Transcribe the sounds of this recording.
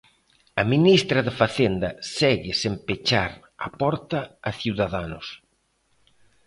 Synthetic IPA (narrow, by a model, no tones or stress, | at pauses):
ɐminist̪ɾɐðɪfaθend̪ɐsɛɣɪsempet͡ʃaɾ | a̰pɔɾt̪ɐːθiwðaðanʊs